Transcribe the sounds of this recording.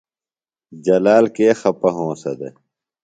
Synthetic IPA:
d͡ʑɐlaːlkeːxɐpɐɦõːsɐd̪e

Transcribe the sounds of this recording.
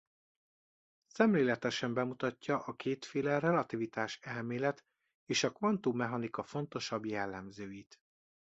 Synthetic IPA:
sɛmleːlɛt̪ɛʃɛmbɛmut̪ɒcːɒʔɒkeːt̪feːlɛrɛlɒt̪ivit̪aːʃɛlmeːlɛt̪ | eːʃɒkvɒnt̪uːmɛɦɒnikɒfo̞n̪t̪o̞ʃɒbjɛlːɛmzøːjit̪

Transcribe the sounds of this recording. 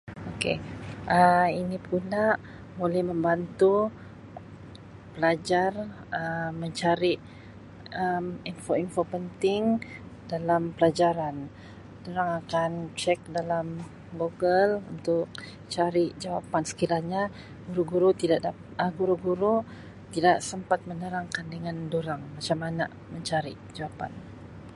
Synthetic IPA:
okḛʔəinipulaʔ | molɛhməmbant̪u | pəlad͡ʒar | əːəɲt͡ʃaɾiʔ | əminfoinfopənt̪ɪŋdalampəlad͡ʒaɾan | duɾaŋakant͡ʃɛk̚dalam | ɡoɡəlṵnt̪ʊk̚ | t͡ʃaɾiʔd͡ʒawapansə̥kiɾahɲa | ɡuɾuɡuɾut̪idaʔda | əɡuɾuɡuɾu | t̪idaʔsəmpat̪̚mənəɾaŋkandəŋandoɾaŋmat͡ʃamana̰ | məɲt͡ʃaɾḭʔd͡ʒawapa̰n

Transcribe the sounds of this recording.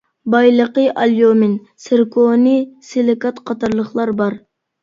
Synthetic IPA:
bɑjlˠəqəʔɑljomɪn | sɪɾkʰonisɪlɪkɑt̪qʰɑt̪ʰɑɾlˠəχlˠɑɾbɑɾ

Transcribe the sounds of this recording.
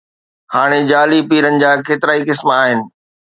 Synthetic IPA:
haːɽ̃ed͡ʑaːlipiːɾənɪ̆d͡ʑaːkeːt̪ɪɾaːikɪsmaːɦɪnɪ̆

